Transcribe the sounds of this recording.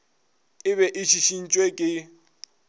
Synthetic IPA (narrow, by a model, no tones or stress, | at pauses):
ɪβɛʔɪʃʰiʃin̩t͡ʃʼwekʼɪ